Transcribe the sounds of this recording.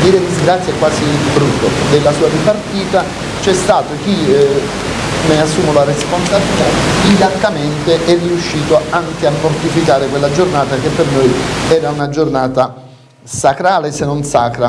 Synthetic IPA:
d̪iːɾed̪izɡɾat̪sjakwaːzibɾut̪ːod̪elːasuːaripart̪iːt̪a | t͡ʃɛst̪aːt̪ok̟i | measːuːmolaɾesponsabilit̪aid̪ak̪ːament̪eʔɛrːiuʃːiːt̪oaŋkeamːort̪ifikaːɾekwelːad͡ʒornaːt̪ak̟epːernojɛːɾaunad͡ʒornaːt̪a | sakɾaːlesenːonsaːkɾa

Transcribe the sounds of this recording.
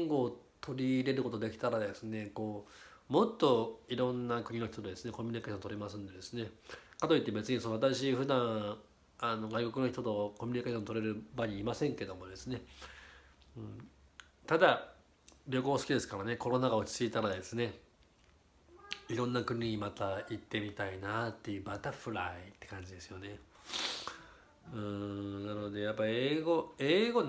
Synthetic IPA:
ŋɡo̞ːt̪ʰo̞ɾʲiɾe̞ɾɯ̟ko̞t̪o̞d̪e̞kʲi̥t̪aɾad̪e̞sɨne̞ko̞ːmo̞t̪ːo̞iɾõ̞nːakɯ̟ɲ̟ino̞çi̥t̪o̞t̪od̪e̞sɨne̞ko̞mʲyɲ̟ikeɕõnt̪oɾemasɨ̃nd̪e̞d̪e̞sɨne̞kat̪o̞it̪ːe̞be̞t͡sɨɲ̟isonat̪̬aɕiɸɯ̟d̪ãɰ | ano̞ɡaiko̞kɯ̟no̞çit̪ot̪o̞komʲyɲ̟ikaɕõ̞nt̪oɾe̞ɾɯ̟baɲ̟iːmasẽ̞ŋke̞d̪o̞mo̞d̪e̞sɨne̞ | ɯ̃ | t̪ad̪a | bʲjo̞ko̞ːsɨ̥kʲid̪e̞sɨ̥kaɾane̞ko̞ɾo̞naɡaot͡ɕi̥t͡sɨit̪aɾad̪e̞sɨne̞ | iɾõ̞nːakɯ̟ɲ̟ʲiɲ̟imat̪ait̪ːe̞mʲit̪ainat̪ːe̞jɯ̟ːbat̪aɸɯ̟ɾait̪ːe̞̥kãɲ̟d͡ʑid̪e̞sɨ̥jo̞ne̞ | ɯ̃nanɯood̪e̞japːaieːɡo̞eːɡo̞

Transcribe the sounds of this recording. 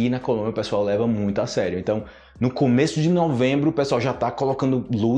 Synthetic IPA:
inɐkolˠõbjɐʊpesuawlɛvɐmũj̃t̪ʊasɛɾjʊẽnt̪ɐ̃w̃ | nʊkomesʊd͡ʒɪnɔvẽbɾʊːpesuawʒat̪akolokɐ̃nd̪ʊlu

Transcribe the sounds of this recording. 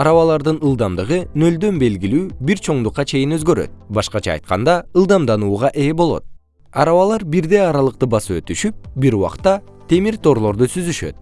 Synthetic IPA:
ɑɾɑβɑlˠɑɾd̪ɯnɯlˠd̪ɑmd̪ɯʁɯnø̞ld̪ø̞nbe̞lɡilyːbiɾt͡ʃʰo̞ɴd̪uqːɑt͡ʃʰe̞jinø̞zɡø̞ɾø̰t̪bɑʃqɑt͡ʃɑ̰ːjt̪qɑ̰nd̪ɑɯlˠd̪ɑmd̪ɑnuːʁɑʔe̞ːbo̞lˠo̞̰t̪̚ | ɑɾɑβɑlˠɑɾbiɾd̪e̞ɑɾɑlˠɯq̚t̪ɯbɑsɯø̞̰t̪yʃyp̚biɾuwɑ̰qt̪ːɑ | t̪ʰe̞miɾt̪o̞ɾlˠo̞ɾd̪usyzyʃø̰t̪̚

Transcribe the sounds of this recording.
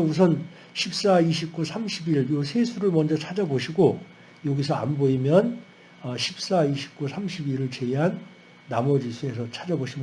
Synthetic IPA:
ʌus̬ʰʌn | ɕʰip̚s͈aiɕʰip̚k͈usʰamɕʰibiɭjosʰesʰuɾɯɭmʌnd͡ʑʌt͡ɕʰad͡ʑaboɕʰiɡo | joɡisʰʌa̰nboimjʌn | ʌɕʰip̚s͈aiɕʰi̥p̚k͈usʰamɕʰibiɾɯɭt͡ɕeiɦanː | amʌd͡ʑisʰue̞s̬ʰʌt͡ɕʰad͡ʑaboɕʰim

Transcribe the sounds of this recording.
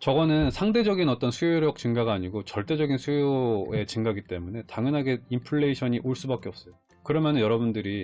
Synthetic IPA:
t͡ɕʌɡʌnɯnsʰaŋde̞d͡ʑʌɡinʌt͈ʌnsʰujoɾjʌk̚t͡ɕɯŋɡaɡaːɲiɡot͡ɕʌɭt͈e̞d͡ʑʌɡinsʰujoe̞t͡ɕɯŋɡaɡit͈e̞mune̞taŋjʌnɦaɡe̞impʰɯɭːeiɕʰʌɲiʔoɭs͈ubak͈eʌp̚s͈ʌjo | kɯɾʌmjʌnɯnjʌɾʌbundɯɾi

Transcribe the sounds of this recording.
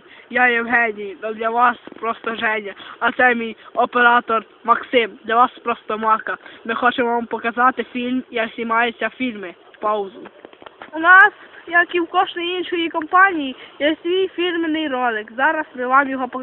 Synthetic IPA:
jajɛwɦɛdʲijd̪ɔd̪lʲɐʋɑspɾɔst̪ɔʒɛnʲːɐɐt̪sɛmʲijɔpeɾɑt̪ɔr | mɐksɪmd̪lʲɐʋaspɾɔst̪ɔmɑkɐmɪxɔt͡ʃemʋampɔkɐzɑt̪ɪfʲilʲmjɐksʲimɑjʊsʲafʲilʲmɪ | pawzʊʊnɑsjɐkiwkɔʃnɔjinʃɔjikɔmpanʲijijɛsʲʋʲijfʲilʲmɪnɪjɾɔd̪ɪkzɑɾɐsmɪʋamjɔɦɔpɔ

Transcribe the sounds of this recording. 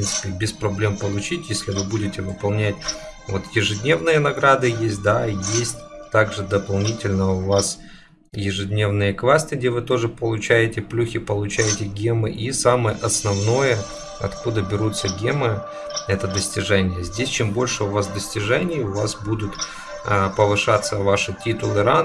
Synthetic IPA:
pɾʲint̪sɨ̥pʲɪbʲɪspɾɐblʲe̞mpəlˠʊt͡ɕitʲjesʲlʲɪvɨbudʲɪtʲɪvɨpɐlˠnʲætʲ | vot̪jɪʐɨdʲnʲe̞vnɨjənɐɡɾad̪ɨjesʲt̚ʲd̪ajesʲtʲt̪aɡʐɨd̪əpɐlˠnʲitʲɪlʲnəʊvas | jɪʐɨdʲnʲe̞vnɨjəkvasʲt̪ɨɡ̚dʲevɨt̪o̞ʐɨpəlˠʊt͡ɕæjɪtʲɪplʲuxʲɪpəlˠʊt͡ɕæjɪtʲɪɡʲemɨ̰ʔisaməjəʔɐsnɐvno̞jə | ɐ̰t̪kud̪əbʲɪɾut̪səɡʲemɨ | ɛt̪əd̪əsʲtʲɪʐɛnʲɪjəzʲdʲesʲt͡ɕembo̞lʲʂɨʊvasd̪əsʲtʲɪʐɛnʲɪjʊvasbud̪ʊt̪ | əpəvɨʂat̪sːəvaʂɨtʲit̪ʊlˠɨɾan

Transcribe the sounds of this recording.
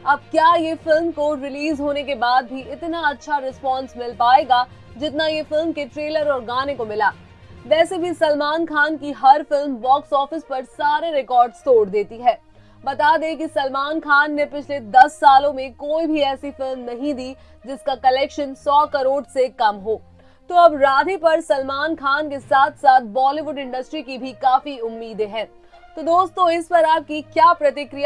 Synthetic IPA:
ɐb̚kjaːjefɪlmkoɾɪliːzɦoːnekebaːd̪̚bʱiʔɪt̪naɐtːʃʰaɾɪspɔ̃ːnsmɪlpaːeːɡaː | d͡ʒɪt̪najefɪlmkeʈɾeːləɾɔːɾɡaːnekomɪlaː | ʋɛːsebʱisɐlmaːnkʰaːnkiɦɐɾfɪlmʋɔːksɔːfɪspɐɾsaːɾeɾɪkɔːɾɖst̪oːɾd̪eːt̪iɦɛː | bɐt̪aːd̪ẽk̬isɐlmaːnkʰaːnːepɪt͡ʃʰled̪ɐsːaːlõmẽkoːibʱiɛːsifɪlmnɐɦĩd̪iː | d͡ʒɪskakɐlɛːkʃənsɔːkɐɾoːɖsekɐmɦoː | t̪oːɐbɾaːd̪ʱipɐɾsɐlmaːnkʰaːnkesaːt̪ʰsaːt̪̚ʰbɔːliʋʊɖɪ̃ɳɖɐsʈɾikibʱikaːfiʊmːiːd̪eɦɛː | t̪od̪oːst̪õɪspɐɾaːp̚kikjaːpɾɐt̪ɪkɾija

